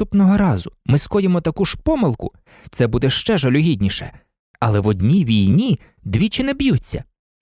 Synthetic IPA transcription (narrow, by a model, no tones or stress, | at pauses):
upnɔɦɔɾɑzʊmɪskɔjɪmɔt̪ɐkuʒpɔmɪlˠkʊ̰ | t̪sɛbud̪ɛʃt͡ʃɛʒɐlʲʊɦʲid̪ʲnʲiʃɛ̰ | ɐlˠɛʋɔd̪ʲnʲijʋʲijnʲi | d̪ʋʲit͡ʃɪnɛbjut͡sʲːɐ̰